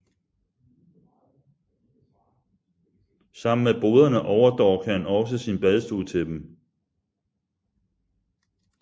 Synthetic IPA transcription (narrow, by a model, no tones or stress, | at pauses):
sɑ̈m̰n̩meb̥o̝ːð̞ˠɐnəʔɒʊɐd̥ɒ̰ːkʰæhænɒ̽s̬əsinb̥ɛð̞ˠsd̥uðˠt͡sʰe̝d̥em